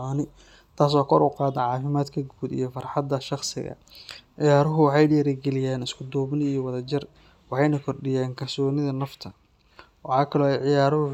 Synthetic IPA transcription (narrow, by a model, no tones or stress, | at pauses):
ɔːnɪ | t̪ʰaːs̬wɑːkʰɔɾʊqɑːd̪ɐʕɑːfɪmaːd̪kʰɐɡuːd̪ḭjɞfɑrħɑd̪ɐʃɑχsɪ̰ɣɐ̰ | ʕɪjaːɾʊɦʊwɑħɑjɖɛːɾɐɡɛlɪjɛːnɪskʰʊd̪ɔːbnijɔwɑðɐt͡ʃɪr | wɑħɑjnɐkʰɔrɖɪjaːŋkʰɐrsɔːnɪðɐnɐft̪ʰɐ | wɑħɑːkʰɐlɔʕɪjaːɾʊhʊ